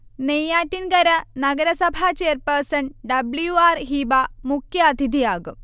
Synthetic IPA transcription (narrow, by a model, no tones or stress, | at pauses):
neːjaːtːinkɐɾɐnɐɡɐɾɐsɐbʱat͡ɕeːɐrpɐrsɐɳɖɐbljuaːrɦiːbamukʰjɐɐd̪ʱid̪ʱijaːɡɨm